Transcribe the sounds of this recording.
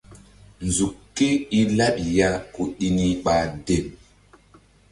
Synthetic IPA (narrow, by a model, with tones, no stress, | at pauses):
n˨zu˨kːe˦i˦la˦ɗi˨ja˦ku˨ɗi˦ni˦ɓa˨de˦˨m